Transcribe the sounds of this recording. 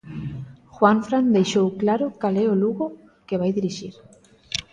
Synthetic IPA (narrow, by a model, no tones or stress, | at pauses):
xwaɱfɾand̪ejʃowklaɾʊkalɛoluɣo | keβajðiɾiʃiɾ